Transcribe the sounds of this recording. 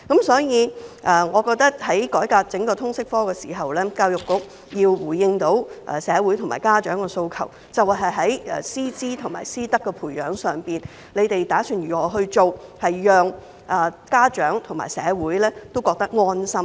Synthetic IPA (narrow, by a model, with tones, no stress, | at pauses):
kɐ˨˥msɔː˨˥jiː˨˧ʔɐː˨˩ŋɔː˨˧kɔː˧k̚t̪ɐ˥k̚hɐ˨˥jkɔː˨˥jkaː˧t͡sɪ˨˥ŋkɔː˧t̪ʰʊ˥ŋsɪ˥k̚fɔː˥kɛː˧siː˨˩ɦɐ˨wlɛː˥kaː˧wjʊ˨kːʊ˨˥k̚ | jiː˧wwuː˨˩jɪ˧ŋt̪o˨˥wʔɛ̰˨sɛː˨˧wu˨˥jt̪ʰmaː˨˩kaː˥t͡ʃœː˨˥ŋkɛː˧so˧wkʰɐ̰˨˩w | t͡sɐ˨wɦɐ˨jɦɐ˨˥jɛ˨siː˥t͡siː˥t̪ʰʊ˨˩ŋma̰ː˨˩jsiː˥t̪ɐ˥kːɛ˧pʰuː˨˩jœː˨˥ŋsœː˨ŋpiː˨n | le˨˧t̪e˨jt̪aː˨˥syː˨˧njyː˨˩ŋɔː˨˧ɦɵ˧ɥt͡so˨whɐ˨jːœː˨ŋ | ʔɐ˨kaː˥t͡ʃœː˨˥ŋt̪ʰʊ˨˩ma̰ː˨˩jsɛː˨˧wuː˨˥jlɛː˥t̪o˥wkɔː˧k̚t̪ɐ˥k̚ŋɔː˥nsɐ˥m